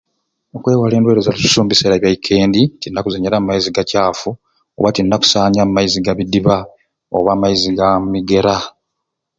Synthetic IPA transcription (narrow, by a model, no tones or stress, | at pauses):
okwe̞ːwale̞ːndweɾozalisu̥suːmbiseɾaβjaikʰe̞ːnditinːakuzeɲalamumaiziɡacaːfu | oβatinːaku̥saːɲamumːaiziɡaβidiβa | o̰βaːmːajiziɡammiɡe̞ɾa